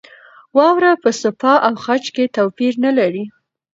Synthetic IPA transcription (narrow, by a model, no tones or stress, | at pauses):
wɑwɾapəsʊpɑʔawxat͡ʃket̪awpiɾnalaɾi